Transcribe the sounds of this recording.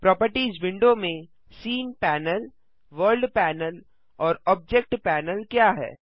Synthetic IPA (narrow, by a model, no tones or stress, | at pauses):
pɾɔːpəɾʈiːzʋɪ̃ɳɖomẽ | siːnpɛːnəl | ʋəɾlɖpɛːnəl | ɔːɾɔːb̚d͡ʒekʈpɛːnəlkjaːɦɛ̰ː